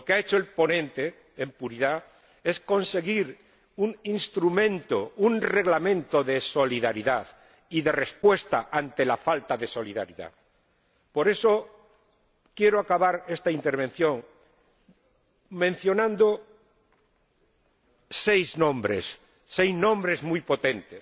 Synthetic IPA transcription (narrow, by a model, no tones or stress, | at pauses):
lokeaet͡ʃoelpo̞nẽ̞nt̪e̞ː | mpuɾiða | e̞sko̞nse̞ɣiɾ | uŋinst̪ɾumẽ̞nt̪ounre̞ɣlamẽ̞nt̪o̞ðe̞so̞liðaɾiðað | iðe̞re̞spwe̞st̪aʔant̪e̞lafalt̪aðe̞so̞liða̰ɾiða̰ | po̞ɾe̞so̞ | kjeɾoakaβaɾe̞st̪aint̪e̞ɾβ̞e̞n̟θjo̞ŋ | mẽ̞n̟θjo̞nãnd̪o | sejznõ̞mbɾḛsː | ejznõ̞mbɾe̞zmujpo̞t̪ẽ̞nt̪es